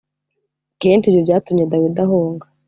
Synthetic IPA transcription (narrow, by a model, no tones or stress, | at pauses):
keːnt͡ʃijovjaːtumɲedawidaɦoːŋɡa